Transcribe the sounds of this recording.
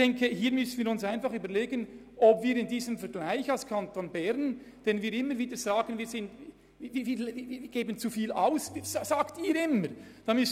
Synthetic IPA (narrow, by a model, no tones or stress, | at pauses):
ɛŋkʰəhiːɾmʏsn̩viːɾʊnsaɪnfɑχyːbəɾleːɡən | ʔobviːɾɪndiːzəmfɛɾɡ̥laɪçɑlskʰɑntonbɛɾn | d̥ɛnviːɾɪmːəɾviːdəɾz̥aːɡənviːɾz̥ɪntː | viːviːliviːviɡ̥eːbənt͡sufiːlaʊszzaːktiːɾɪməɾd̥ɑmʏs